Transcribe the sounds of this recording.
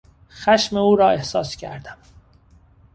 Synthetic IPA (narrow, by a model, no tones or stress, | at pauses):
xæʃme̞uːɾɒːe̞hsɒːscʰæ̰ɾd̪̥æm